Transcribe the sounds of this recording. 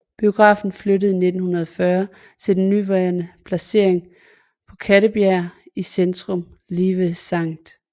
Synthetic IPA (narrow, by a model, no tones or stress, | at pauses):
b̥io̝ɡ̥ʁɑ̰̈ːfn̩fløɾəð̞̩ˠne̝d̥n̩hunɐð̞ˠɒfɶɐ | t͡sʰe̝ld̥enːyʋɑɪɐnəpʰlæse̝ɐ̰eŋ | pʰɒ̽kʰæɾəbjæɐ̰isend̥ʁɔ̽mliːʋəsɑ̈ŋ̰d̥